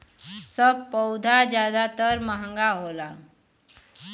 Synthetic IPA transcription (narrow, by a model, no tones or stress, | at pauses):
səb̚pɔʊd̪ʱad͡ʒjaːd̪at̪əɾməɦə̃ŋɡaɦola